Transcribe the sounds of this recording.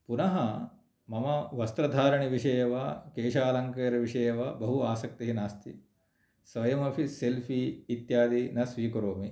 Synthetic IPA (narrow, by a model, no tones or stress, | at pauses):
punɐɦɐ | mɐmɐʋɐst̪ɾɐd̪ʱaːɾɐɳiʋiʂɐjɐʋakeːʃaːlɐŋkɐːɾɐʋiʂɐjɐʋabɐɦuaːsɐk̚t̪iɦinaːst̪ḭ | sʋɐjɐmɐpʰiselpʰiːt̪jaːd̪inɐsʋiːkɐɾoːmi